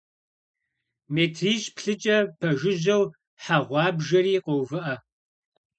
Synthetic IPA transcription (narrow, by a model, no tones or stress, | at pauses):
meːtʰriːɕpɬɨt͡ʃʼɐpʰɐʒɪʒɐw | ħaʁʷɑːbʒɐɾiːqʼowvɨʔɐ